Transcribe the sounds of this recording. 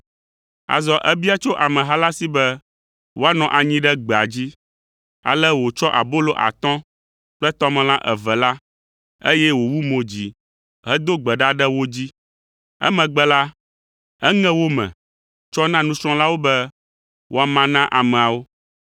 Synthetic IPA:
a̰˨zɔ˨ʔɛ˦bi˦a˦t͡ʃo˦ʔa˨mɛ̃˨ɦa˦la˦si˦bɛ˦ | wo˦a˦nɔ̃˨ʔa˨ɲĩ˦ɖɛ˦ɡ͡bɛ˨a˨d͡ʑi˦ | a̰˨lɛ˦wo˨t͡ʃɔ˦ʔa̰˨bo˦lo˦ʔa̰˨t̪ɔ̃˦ | k͡plɛ˦t̪ɔ˦mɛ̃˨lã˦ʔɛ˨vɛ˨la˦ | e˦jɛ˦wo˨wu˦mõ˨d͡ʑi˨ | ɦɛ˦d̪o˦ɡ͡bɛ˨ɖa˦ɖɛ˦wo˦d͡ʑi˦ | ɛ̰˦mɛ̃˨ɡ͡bɛ˦la˦ | ɛ˦ŋɛ̃˦wo˦mɛ̰̃˨ | t͡ʃɔ˦nã˦nũ˦sɾ̃ɔ̃˦la˦wo˦bɛ˦ | wʔo˦a˨mã˨nã˦ʔa˨mɛ̃˨a˨wo˦

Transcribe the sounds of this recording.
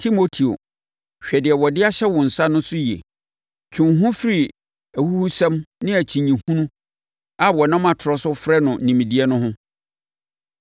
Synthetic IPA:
tʰi˦mo˦tʰi˨o̰˨ | ɕᶣɛ˨dɪ˨ɛ˨wɔ˨dɪ˦a˦ɕɛ˦wɔ̃˨n̩˨sa˦nʊ̃˦sʊ˦jḛ˨ | t͡ɕʰũ˨nɦʊ̃˦fi˦ɾi˨ | æ˨hu˦hu˦sɛ̃˦mnɪ̃˦æ˨t͡ɕʰĩ˨ɲĩ˨hũ˦nũ˦ | a˦wɔ˨nã˦mã˨tʰʊ˨ɾɔ˦sʊ˦fɾɛ˦nʊ̃˨n̩˨nĩ˨mĩ˨di˦ɛ˦nʊ̃˦ɦʊ̃˦

